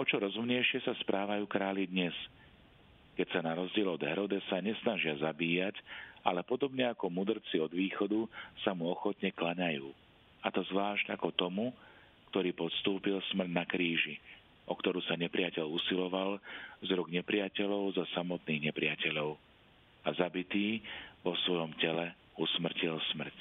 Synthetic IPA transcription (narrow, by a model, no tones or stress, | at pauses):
ɔt͡ʃɔɾɔzumɲɛjʃɪɛsaspɾʔaːʋajuːkɾaːlid̪ɲɛs | kɛcsanaɾɔzɟɪɛlɔd̪ɦɛɾɔd̪ɛsaɲɛsnaʒɪazabiːjaca̰lɛpɔd̪ɔbɲɛakɔmud̪r̩t͡siɔd̪ʋiːxɔd̪usamuɔxɔt̪ɲɛklaɲajuː | at̪ɔzʋaːʒɟakɔt̪ɔmu | kt̪ɔɾiːpɔt̪st̪uːpilsmr̩dnakɾiːʒi | ʔɔkt̪ɔɾusaɲɛpɾɪacɛʎusilɔʋalzɾuɡɲɛpɾɪacɛʎɔʊzɔsamɔt̪niːɣɲɛpɾɪacɛʎɔʊ | azabit̪iːʋɔsʋɔjɔmcɛlɛ | usmr̩cilsmr̩c